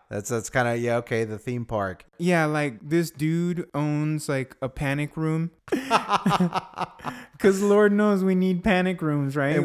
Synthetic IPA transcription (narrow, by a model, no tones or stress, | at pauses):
ðætsðætskʰãɪ̃ndɨjæoʊkʰeɪðɨθĩmpʰɑ̰ɹkjælaɪk̚ðɪsd̥ʉɾõʊ̃nzlaɪkəpʰænɨkɹũm | kʰʌzlɔɹdⁿnoʊzwinid̚pʰænɨkɹʉ̃mzɹaɪt